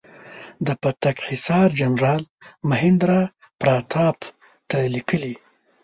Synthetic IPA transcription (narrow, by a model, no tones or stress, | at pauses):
d̪əpat̪akħɪsɑɾd͡ʒamʐɑlməɦɪnd̪ɾa | pɾɑt̪ʰɑp | t̪alikəli